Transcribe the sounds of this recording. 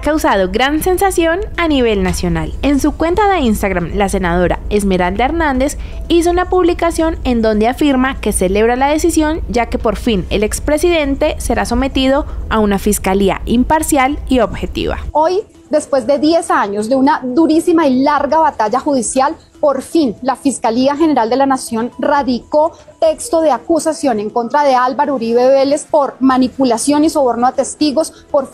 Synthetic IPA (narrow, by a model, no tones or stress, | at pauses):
kawsað̞o̞ɡɾanse̞nsasjo̞naniβ̞e̞lnasjo̞na̰le̞nsukwe̞nt̪aðe̞inst̪aɣɾamlase̞nað̞o̞ɾa̰e̞zme̞ɾald̪aeɾnãnd̪es | is̬o̞unapuβlikasjo̞ne̞nd̪o̞nd̪eafiɾmake̞se̞le̞βɾalaðe̞sisjo̞nd͡ʒake̞po̞ɾfine̞le̞kspɾe̞siðe̞nt̪e̞se̞ɾaso̞me̞t̪iðo̞aunafiskalia̰impaɾsjalio̞bxe̞t̪ḭβa̰o̞j | d̪e̞spwe̞zd̪e̞ðje̞saɲo̞zd̪e̞unaðuɾisimailaɾɡaβat̪aʝaxuð̞isjal | po̞ɾfinlafiskaliaxe̞ne̞ɾald̪e̞lanasjo̞nraðiko̞t̪e̞kst̪o̞ðe̞akusasjo̞ne̞ŋko̞nt̪ɾaðe̞albaɾouɾiβe̞βe̞le̞spo̞ɾmanipulasjo̞niso̞βo̞ɾnoat̪e̞st̪iɣo̞s | poɾ